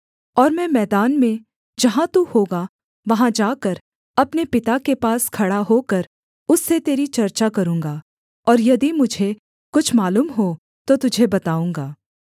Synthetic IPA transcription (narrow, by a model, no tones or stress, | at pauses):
ɔːɾmɛ̃ːmɛːd̪aːnmẽ | d͡ʒɐɦãt̪uhoːɡa | ʋɐɦãd͡ʒaːkəɾ | ɐpnepɪt̪akepaːskʰɐɽaɦoːkəɾ | ʊsːet̪eːɾit͡ʃɐɾt͡ʃakɐɾũːŋɡaː | ɔːɾjɐd̪imʊd͡ʒʱe | kʊt͡ʃʰmaːluːmɦo | t̪ot̪ʊd͡ʒʱebɐt̪aːũːŋɡaː